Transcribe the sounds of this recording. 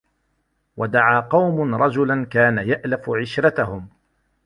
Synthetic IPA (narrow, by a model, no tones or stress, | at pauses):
wʔad̪aʕaːqɑwmʊnɾˤɑd͡ʒʊlankaːnajaʔlafʊʕɪʃɾat̪ahʊm